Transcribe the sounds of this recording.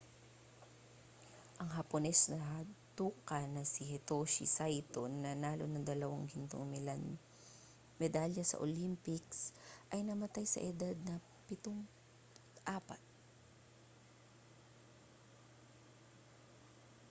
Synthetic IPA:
ʔɐŋɦɐponɛsnɐɦɐt̪uːkɐnɐsɪhɛt̪oʃḭsajt̪onːɐnaːlo̰nɐd̪ɐlɐwaŋɡɪnt̪oŋmɛan | mɛd̪aljɐsɐ̰ʔo̰limpɪksʔɐjnɐmɐt̪ajsɐ̰ʔɛd̪ad̪̚nɐ | pɪt̪oŋ | ʔaːpɐt̪̚

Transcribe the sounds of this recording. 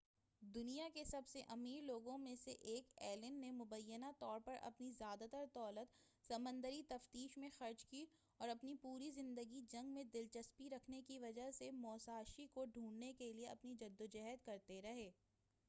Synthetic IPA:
d̪ʊnijakesɐbseʔɐmiːɾloːɡõmẽseʔeːkɛːlənːemʊbəjːənat̪ɔːɾpɐɾʔɐ̰pnizjaːd̪at̪əɾt̪ɔːlət̪ | sɐmə̃nd̪əɾit̪ɐft̪iːʃmẽxɐɾd͡ʒki | ɔːɾɐpnipuːɾizɪ̃nd̪əɡid͡ʒɐ̃ŋɡmẽd̪ɪlt͡ʃɐspiɾɐkʰnekiʋɐd͡ʒəɦsemɔːsaːʃikoɖʱũːɳɖnekelieɐpnid͡ʒɐd̪ːod͡ʒɛɦɛt̪kɐɾt̪eɾɐɦeː

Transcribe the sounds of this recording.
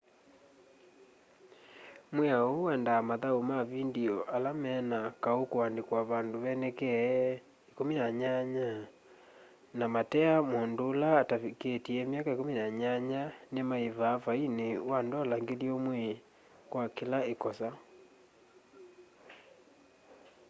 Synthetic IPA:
mwɛaoɛndaːmaðaomaβindiɔʔalamɛnakaokoandekwaβandoβɛnɛkɛ | ekominaɲaɲa | namatɛamondoːlaːtaiketiɛmiakaekominaɲaɲanemaevaːfainewandɔlaŋɡeliomwɛ | kwakelaekɔsa

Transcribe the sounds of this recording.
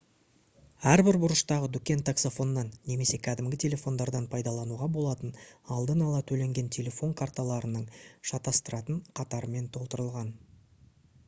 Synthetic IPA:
æɾbɪɾbʊɾəʃt̪ɑʁəd̪ʏkʲe̞nt̪ʰakso̞fo̞nːɑnːe̞me̞se̞kʲʰæd̪ɪmɡʲɪt̪ʲʰe̞lʲe̞fo̞nd̪ɑɾd̪ɑnpʰɑjd̪ɑlˠɑnuʁɑbo̞lˠɑt̪ənɑlˠd̪ənɑlˠɑt̪ʰɵle̞ŋɡʲe̞nt̪ʲʰe̞lʲe̞fo̞ŋkʰart̪ɑlˠɑɾənəɴʃɑt̪ɑst̪əɾɑt̪əɴqʰɑt̪ɑɾəme̞nt̪ʰo̞lˠt̪əɾəlˠʁɑn

